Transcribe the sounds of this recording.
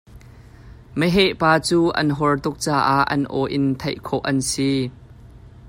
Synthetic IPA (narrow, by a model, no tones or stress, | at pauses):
məɦɛʔpaːt͡suːʔɐ̰nɦɔrt̪ʊk̚t͡saːʔaʔːɐ̰nʔɔːʔɪnt̪ʰɐjʔkʰɔʔɐnsiː